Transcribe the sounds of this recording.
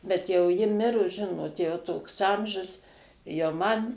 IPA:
bʲɛt ˈjɛʊ ˈjɪ ˈmʲɪrʊs ˈʒʲɪnoːt jɛʊ ˈtoːks ˈɐmʲʒʲʊs jɛʊ ˈmɐn

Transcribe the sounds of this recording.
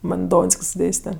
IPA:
ˈmɐn ˈdoːnʲsʲkʲsʲ ˈdʲeːsʲtʲɛ

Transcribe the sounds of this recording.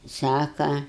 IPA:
ˈsɑːkɐ

